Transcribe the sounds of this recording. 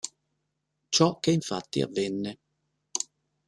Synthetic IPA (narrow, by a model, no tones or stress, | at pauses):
t͡ʃɔkːeiɱfa̰t̪ːḭa̰vːenːe